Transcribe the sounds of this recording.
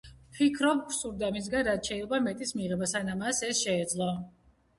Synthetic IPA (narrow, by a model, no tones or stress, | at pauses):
pʰikʰɾɔp̚kʰsuɾd̪amis̬ɡanɾat̪̚ʰʃʰɛilɛbamɛt̪ʼismiʁɛbasanamasɛsʃɛːd̪zlˠɔ